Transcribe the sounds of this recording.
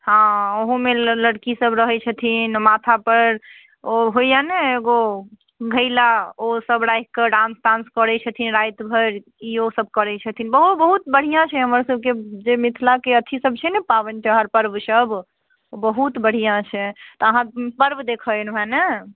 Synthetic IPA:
hãoɦũmeləɽkisəbɾəɦɛt͡ʃʰət̪ʰinmat̪ʰapəɾ | oɦoijaneːɡo | ɡʱəjlaosəbɾajkkəɖãnst̪ãnskəɾɛt͡ʃʰət̪ʰinɾajt̪bʱəɾ | iosəb̚ʱkəɾɛt͡ʃʰət̪ʰinbəɦubəɦut̪bəɽ̤ijãt͡ʃʰɛɦəməɾsəb̚ked͡ʒemit̪ʰlakeət̪ʰisəb̚t͡ʃʰɛnɛpabənt͡ʃʰɦaɾpəɾbsəb | obəɦut̪bəɽ̤ijãt͡ʃʰɛt̪ɔəɦãpəɾbd̪ekʰənbʱɛnɛ

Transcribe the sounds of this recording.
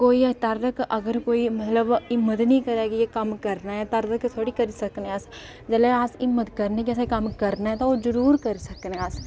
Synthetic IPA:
koːit̪aɾɾəkɐɡəɾkoːimɐt̪ləbɪmːət̪nɐĩkɐɾaːkijekɐmkɐɾnaɦɛt̪ɐɾɾəkt̪ʰoːɽikɐɾisɐkneaːs | d͡ʒɐleaːsɪmːət̪kɐɾnekɛːs̬akɐmkɐɾnaɦɛ̃t̪oozəɾuːɾkɐɾsɐkneaːs

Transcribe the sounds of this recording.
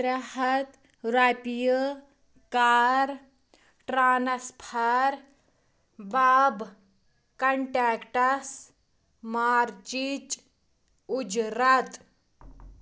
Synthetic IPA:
ɾaɦɐt̪ | ɾapijə | kaɾ | ʈɾaːnɐspʰaɾ | baːb | kɐɳʈaːkʈɐs | maːɾt͡ʃit͡ʃ | ud͡ʒɾat̪

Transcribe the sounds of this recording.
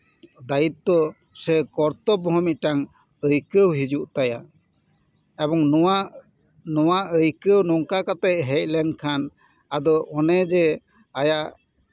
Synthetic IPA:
d̪ajit̪̚ːɔ | sɛkɔɾt̪ɔbɔɦɔmit̪̚ʈaŋ | əjkəwɦid͡ʒuʔt̪aja | ɛbɔŋa | nɔwaəjkəwnɔŋkakat̪ajʔɦɛt̪̚lɛnkʰan | ad̪ɔʔɔnɛd͡ʒɛ | ajaʔ

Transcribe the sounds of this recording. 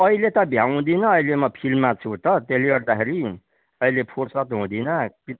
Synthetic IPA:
ʌilet̪ʌbʱjaw̃d̪inʌʌjlemʌpʰilmːat͡sʰũt̪ʌt̪eliɡʌrd̪akʰeɾi | ʌilepʰorsʌt̪ɦũd̪inʌpi

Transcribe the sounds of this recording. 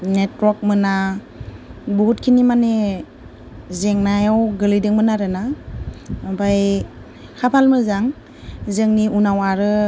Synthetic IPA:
netwɔk̚mɯna | bɔɦut̚kʰinimane | zeŋnajawɡɯlijdɯŋmɯnaɾɯna | baj | hʰapʰalmɯzaŋ | zɯŋniʔunawaɾɯ

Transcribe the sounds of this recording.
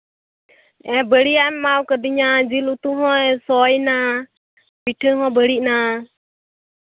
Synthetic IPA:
ɛ̃bəɽiammawkədiɲad͡ʒilut̪uɦɔ̃ɛsɔjna | biʈʰəɦɔ̃bəɽiʔna

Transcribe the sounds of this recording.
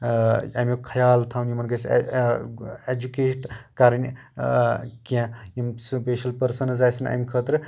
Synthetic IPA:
ɐ̰mjokʰɐjaːlt̪ʰawnjimɐnɡɐs | ed͡ʒukeːʈkaɾɐnʲ | kẽjimspeːʃɐlpɐɾsɐnɐzaːjsɐnɐ̰mʲkʰət̪ɾɨ

